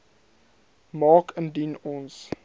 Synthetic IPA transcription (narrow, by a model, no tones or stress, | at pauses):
mɑːkəndinɔns